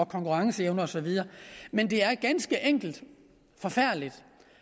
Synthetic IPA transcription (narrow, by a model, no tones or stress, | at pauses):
ɒkʰɒ̽ŋkuʁɑ̈ŋsəeʊnɐɒ̽sɒ̽ʋið̞ˠɐːmend̥e̝æɐɡ̥ænsɡ̥əʔeŋ̰ɡ̥l̩d̥ | fɒ̽fæɐ̰dlid̥